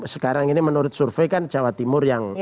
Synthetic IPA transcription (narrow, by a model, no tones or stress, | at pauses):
sə̥kaɾaŋinimənuɾʊt̪̚surfɛkand͡ʒawat̪imʊrjaŋ